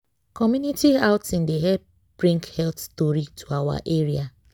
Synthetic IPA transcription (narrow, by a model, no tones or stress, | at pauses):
kɔmjunitiaʊtĩndeɦɛ | b̥ɾĩŋkhɛltstoɾitʰuawa̰ʔeɾia